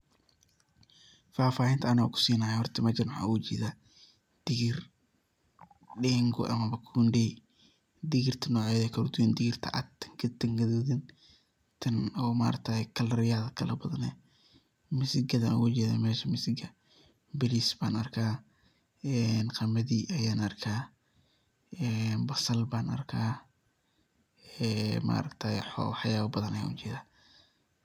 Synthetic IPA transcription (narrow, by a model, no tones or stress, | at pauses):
faːfaːhɪnt̪ʰɐːna̰kʰʊ̥siːnaːjɛhɔrt̪ʰɪmɐt͡ʃɐnħa̰ːud͡ʒḭːða | d̪̥ɪɣɪr | ɖɛːŋɡʊ̰ʔɐ̰mɐmɐkʰundɛj | d̪ɪɣɪrt̪ʰɐnɔːʕɛjðɛkʰɐlʊd̪ʊwɛnd̪ɪɣɪrt̪ʰɐ̰ʔat̪ːɐ̥ŋɡɐt̪ɐŋɡɐðuðɪn | t̪ʰɐnɔːma̰ːɾt̪ʰakʰɐlɾɪjaːðɐkʰɐlɐbɐðɐnɛ | mɪsɪɡɐða̰nkʊt͡ʃɛːða̰ːmɛːʃɐmɪsɪɡɐ | bɪlisbaːnɐrkʰaː | ɛnqɑmɐðiːʔɐjaːnɐrkʰaː | ɛːnbɐsɐlbaːnɐ̰rkʰaː | ɛma̰ːɾɐkt̪ʰajħɔ̰wħjaːβɐbɐðɐnɐja̰ːnʊ̰t͡ʃɛːðaː